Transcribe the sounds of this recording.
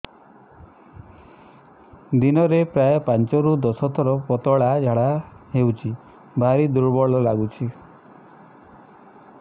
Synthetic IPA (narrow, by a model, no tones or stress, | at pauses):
d̪inɔɾepɾajɔpant͡ʃɔɾud̪ɔsɔt̪ʰɔɾɔpɔt̪ɔɭad͡ʒʱaɽaɦewt͡ʃʰi | bʱaɾid̪uɾbɔɭɔlaɡut͡ʃʰi